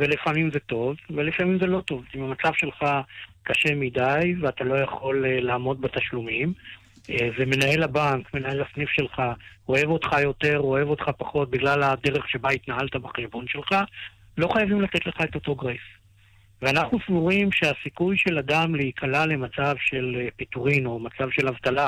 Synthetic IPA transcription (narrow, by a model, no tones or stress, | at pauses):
velifamimzet̪o̞vvelefamimze̞lo̞to̞vimamat͡savʃe̞lχakaʃe̞midajveat̪alo̞jaχo̞llaːmo̞d̪̚bat̪aʃlumim | eveme̞nahe̞labaŋkme̞nae̞lasnifʃe̞lχa | o̞e̞vo̞tχajo̞te̞ʁo̞e̞vo̞t̪χapaχo̞t̪̚biɡlalade̞ʁeχʃe̞bait̪naɦaltabaχeʃbo̞nʃe̞lχa | lo̞χajavimlat̪e̞tle̞χaet̪o̞t̪o̞ɡʁef | veanaχnusvuʁimʃeasikujʃe̞ladamleikʰalale̞mat͡savʃe̞lpit̪uʁino̞mat͡savʃe̞lavt̪ala